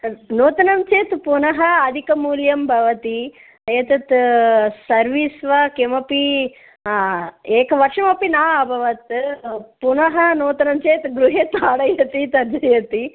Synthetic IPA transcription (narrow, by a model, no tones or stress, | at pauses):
noːt̪ɐnɐmt͡ʃeːt̪punɐɦɐːd̪ʱikɐmuːljɐmbʱɐʋɐt̪i | ɐjɐt̪ɐt̪sɐɾʋiːsʋɐkemɐpi | eːkɐʋɐɾʂɐmɐpinaːɐbʱɐʋɐt̪punɐɦɐnoːt̪ɐnɐmt͡ʃeːt̪ɡɾuɦet̪aːɽɐjɐt̪it̪ɐɾd͡ʒɐjɐt̪i